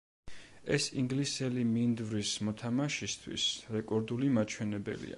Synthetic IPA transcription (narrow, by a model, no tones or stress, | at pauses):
ɛsiŋɡlisɛlimind̪vɾismɔt̪ʰamaʃist̪ʰwḭsɾɛkʼɔɾd̪ulimat͡ʃʰwɛnɛbɛ̰lḭa̰